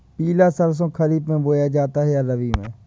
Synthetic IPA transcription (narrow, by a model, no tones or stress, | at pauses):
piːlaːsəɾs̬õːkʰəɾiːb̪mẽːboːjaːd͡ʒaːt̪aːɦɛaɾəʋiːmḛ̃ː